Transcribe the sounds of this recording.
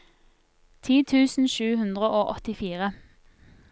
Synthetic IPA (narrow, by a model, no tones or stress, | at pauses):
t̪ʰiːt̪ʰʉːsn̩ʃʉːhʉnd̪ʁəʔoːʔɔt̪ɪfiːʁə